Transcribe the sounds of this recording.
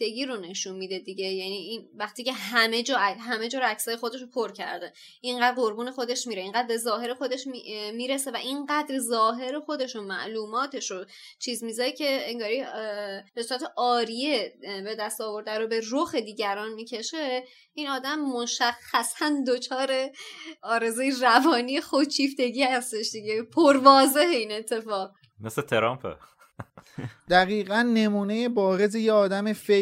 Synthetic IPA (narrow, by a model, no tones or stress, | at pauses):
d̪̥eɡiːɾo̞ne̞ʃunmid̪e̞d̪iɟe̞jæniinvæχt̪iːcʰe̞ɦæme̞d͡ʒɒːæɦæme̞d͡ʒɒːɾoæcsɒːje̞xo̞d̪e̞ʃ̬opʰoɾcʰæ̰ɾd̪e̞ | ʔiɴɢæːd̪̚ɢo̞ɾbuːne̞xo̞d̪e̞ʃmiːɾeiŋɢæːd̪̚be̞zɒːɦe̞ɾexo̞d̪e̞ʃmiːɾe̞se̞væʔinɢæːd̪ɾzɒːɦe̞ɾexo̞d̪e̞ʃomæ̰ʔluːmɒːt̪ʰe̞ʃo | t͡ʃʰiːzmizɒɾecʰe̞ːŋɡɒːɾi | besuːɾæt̪ʰeʔɒːɾijebe̞d̪æst̪ɒːvo̞ɾd̪æɾobe̞roxed̪iːɟæɾɒːnmiːcʰe̞ʃe | iːnɒːd̪æmːoʃæxːæsænd̪o̞t͡ʃʰɒːɾe̞ɒːɾe̞zujerævɒːniːjexot͡ʃʰiːft̪e̞ɟiːhæst̪e̞ʃd̪iɟe̞pʰoɾvɒːze̞he̞iːne̞t̪ʰːe̞fɒːʁ | meset̪ʰeɾɒ̰mpʰḛ | d̪̥æɣiːɣænːe̞muːnejebɒːɾe̞zejeɒːd̪æmefe